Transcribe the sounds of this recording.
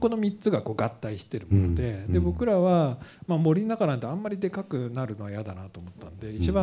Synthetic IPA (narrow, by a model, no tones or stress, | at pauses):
ko̞no̞mʲitt͡sɨɡako̞ːɡat̪ːaiɕi̥t̪e̞ɾɯ̟monod̪e̞d̪e̞bo̞kɯ̟ɾaβamamo̞ɾʲinːakanãnt̪eãmːaɾʲid̪e̞kakɯ̟naɾɯ̟no̞βajad̪anat̪o̞ːmo̞t̪ːanod̪e̞it͡ɕibã